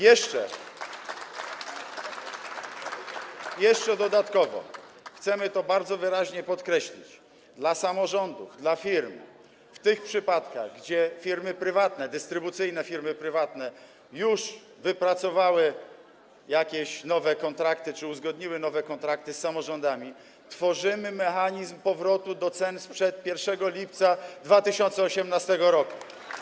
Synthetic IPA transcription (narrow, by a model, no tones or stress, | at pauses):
jɛʂt͡ʂɛ̰ | jɛʂt͡ʂɛd̪ɔd̪at̪kɔvɔ̰xt̪sɛmɘt̪ɔbaɾd̪zɔvɘɾaʑɲɛpɔt̪kɾɛɕlʲḭt͡ɕ | d̪lasamɔʐɔnd̪uvd̪lafʲiɾm | ft̪ɘxpʂɘpat̪kaɣɡd͡ʑɛfʲiɾmɘpɾɘvat̪nɛd̪ɘst̪ɾɘbut̪sɘjnɛfʲiɾmɘpɾɘvat̪nɛ | juʂ | vɘpɾat̪sɔvawɘ | jakʲeɕnɔvɛkɔnt̪ɾakt̪ɘt͡ʂɘuzɡɔd̪ɲiwɘnɔvɛkɔnt̪ɾak̚t̪ɘsːamɔʐɔnd̪amʲi | t̪fɔʐɘmɘmɛxaɲizmpɔvɾɔt̪ud̪ɔt̪sɛnspʂɛt̪̚pʲjɛɾfʂɛɡɔlʲipt̪sad̪vat̪ɘɕɔnt̪sɛɔɕɛmnast̪ɛɡɔɾɔku̥